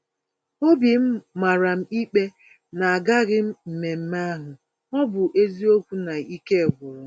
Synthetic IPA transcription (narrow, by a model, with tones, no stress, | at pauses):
o˦bi˨m̩˦ma˨ɾa˨m̩˨i˦k͡pe˦ | na˨a˨ɡa˦ɣɪ˦m̩˨me˨m̩˦ma˦ɦʊ˨ | ɔ˦bʊ˨ʔe˦zi˦o˦kʷu˦na˨i˦ke˦˨ɡʊ˨ɾʊ˦